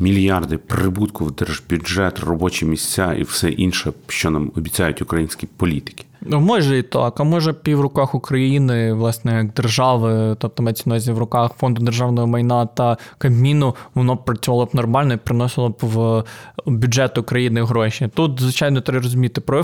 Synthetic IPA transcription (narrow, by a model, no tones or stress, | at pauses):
mʲilʲjɑrd̪ɪpɾɪbut̪kʊwd̪ɛrbʲuʒɛt̪rɔbɔt͡ʃimʲisʲt͡sʲaʔḭwsɛʔinʃɛʃt͡ʃɔnamɔbʲit͡sʲajʊtʲʊkɾɐjinʲsʲkʲipɔlʲit̪ɪ̥kʲi̥mɔʒɛit̪ɑ̰kɐmɔʒɛpʲiwɾʊkɑxʊkɾɐjinɪʋlˠɑsnɛjɐɡ̚d̪erʒɑʋɪt̪ɔp̚t̪ɔmɛt͡sʲɪnɔzʲiʋrʊkɑxfɔnd̪ʊd̪erʒɑwnɔjɔmɐjnɑt̪ɐkɐbmʲinʊʋɔnɔpɾɐt͡sʲʊʋɑlˠɔbnɔrmɑlʲnɔipɾɪnɔsɪlˠɔbʋ | bʲʊdd͡ʒɛt̪ʊʊkɾɐjinɪɦɾɔʃʲit̪ut̪zʋɪt͡ʃɑjnɔt̪ɾɛrɔzʊmʲit̪ɪpɾɔ